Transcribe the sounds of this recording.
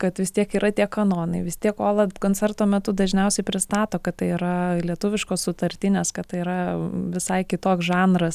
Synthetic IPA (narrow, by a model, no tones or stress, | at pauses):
kɐt̪ʋʲɪst̪ʲiɛkiːɾʔɐt̪ʲiɛkɐnoːnɐɪʋʲɪst̪ʲiɛkoːlˠɐkoːnʲt͡sʲɛrt̪oːmʲɛt̪ʊd̪ɐʒʲnʲɛʊsʲɛɪpʲɾʲɪst̪ɑːt̪oːkɐt̪̚tɐɪiɾɐlʲiɛt̪ʊʋʲɪʃkoːssʊt̪ɐɾʲt̪ʲɪnʲeskɐtt̪ɐɪiɾɐʋʲɪsɐɪkʲɪt̪oːksʒɑːnɾɐs